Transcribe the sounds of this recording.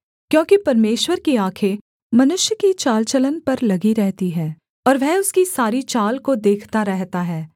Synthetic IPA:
kjõːkipɐɾmeːʃwəɾkiaːkʰe | mɐnʊʃjəkit͡ʃaːlt͡ʃələnpɐɾlɐɡiɾɛɦt̪iɦɛ̃ː | ɔːɾʋɛɦʊskisaːɾit͡ʃaːlkod̪eːkʰt̪aɾɛɦt̪aɦɛː

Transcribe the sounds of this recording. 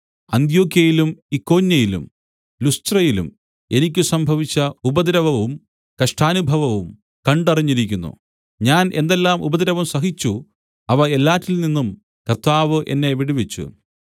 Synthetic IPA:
ɐnd̪jo̞ːkjɐjilumikːo̞ːnjɐjilṵm | lustrɐjilṵm | e̞nikʲːusɐmbʱɐʋit͡ɕːɐubɐd̪ɐɾɐʋɐʋum | kɐʂʈʰaːnubʱɐʋɐʋum | kɐɳɖɐriɲːiɾikʲːunːṵ | ɲaːne̞̰nd̪elːaːmʔubɐðɐɾɐʋɐmsɐɦit͡ɕːu | ɐʋɐe̞lːaːtːilninːum | kɐrt̪aːʋɨʔe̞̰nːe̞ʋiɽiʋet͡ɕːṵ

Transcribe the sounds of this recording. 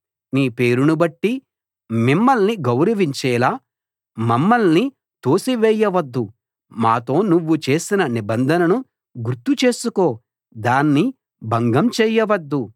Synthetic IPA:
niːpe̞ːɾunubɐʈːi | mimːɐlniɡɐwɾɐʋiɲt͡ʃɛːlaː | mɐmːɐlni | t̪oːsiʋɛːjːɐʋɐd̪ːu | maːt̪o̞ːnuʋːut͡ʃeːsinɐnibɐnd̪ʱɐnɐnu | ɡuɾt̪ut͡ʃe̞ːsuko̞ː | d̪aːnːi | bʱɐŋɡɐmt͡ʃɛːjɐʋɐd̪ːu

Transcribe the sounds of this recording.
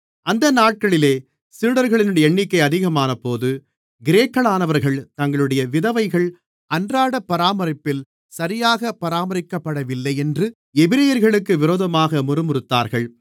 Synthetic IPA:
ɐnd̪ɐnaːʈ̚kɐɭɪleː | siːɽɐɾɣɐɭɪnɯɽɐjɛɳːɪkːɐɪɐðɪɣɐmaːnɐpːoːðɯ | ɡɪɾeːkːɐɭaːnɐʋɐɾɣɐɭt̪ɐŋɡɐɭɯɽɐjɐʋɪðɐʋɐɪɣɐɭ | ʔɐndraːɽɐpːɐɾaːmɐɾɪpːɪl | sɐɾɪjaːɣɐpːɐɾaːmɐɾɪkːɐpːɐɽɐʋɪlːɐɪɛndrɯ | ɛbɪɾɐjɐɾɣɐɭɯkːɯʋɪɾoːðɐmaːɣɐmʊrɯmɯɾɯt̪ːa̰ːɾɣɐɭ

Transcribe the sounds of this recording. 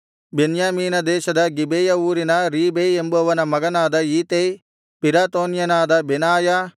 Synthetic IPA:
benjaːmiːnɐd̪ɛːʃɐd̪ɐɡibeːjɐuːɾinɐɾiːbejembɐɐʋɐnɐmɐɡɐnaːd̪ɐiːt̪ej | piɾaːt̪oːnjɐnaːd̪ɐbenaːja

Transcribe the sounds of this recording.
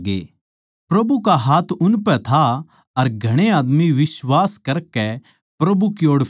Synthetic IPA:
ɡḛː | pɾɐbukaɦaːt̪ʰʊnpɛt̪ʰa | ɐɾɡʱɐɽ̃eaːd̪miʋɪswaːskɐɾkɛ | pɾɐbukjoːɽ

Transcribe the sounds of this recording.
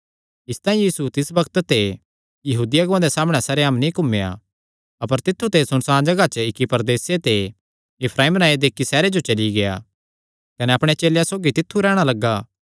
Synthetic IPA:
ɪst̪ãːĩjiːsut̪ɪsbɐkt̪t̪e | jɐɦuːd̪ɪjaɡãd̪esaːmɽ̃ɛsɐɾeamnĩkʊmeja̰ | ɐpəɾt̪ɪt̪ʰːut̪esʊñsãːd͡ʒɐɡat͡ʃəɪkːipɐɾd̪eːset̪e | ɪpʰɾaːiːmnaːjed̪eːkːisɛːɾed͡ʒot͡ʃɐliɡeja̰ | kɐnɛɐpɽ̃et͡ʃeːljãsoːɡit̪ɪt̪ʰːuɾɛːɽ̃alɐɡːaː

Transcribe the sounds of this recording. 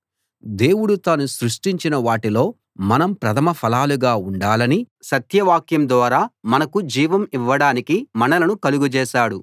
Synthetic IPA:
d̪e̞ːwuɽut̪aːnusɾuʂʈiɲt͡ʃinɐʋaːʈilo̞ː | mɐnɐmpɾɐt̪ʰɐmɐpʰɐlaːluɡaːuɳɖaːlɐni | sɐt̪jɐʋaːkjɐmd̪ʋaːɾaːmɐnɐkud͡ʒiːʋɐmiʋːɐɽaːnikimɐnɐlɐnukɐluɡut͡ʃɛːʃaːɽu

